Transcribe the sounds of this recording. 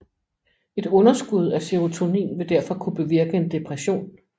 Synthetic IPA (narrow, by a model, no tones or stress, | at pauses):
e̝d̥ɔ̽nɐsɡ̥uð̞ˠæseʁo̝t͡sʰo̝nḭːnʋe̝d̥æɐfɒ̽kʰub̥e̝ʋiɐɡ̥əend̥e̝pʰʁæɕo̝̰ːn